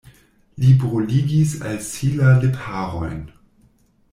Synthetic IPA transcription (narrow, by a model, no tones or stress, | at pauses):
libʁuliɡisa̰lsilalepʰaʁo̰jn